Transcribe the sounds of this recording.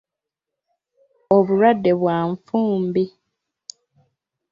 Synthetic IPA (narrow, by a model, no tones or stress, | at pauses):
oβuɾwadːe̞βwaːɱfuːmbi